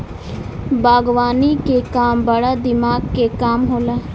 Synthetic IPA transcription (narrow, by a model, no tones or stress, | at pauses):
baːɡʋaːniːkekaːmbəɽaːd̪ɪmaːɡkekaːmɦoːlaː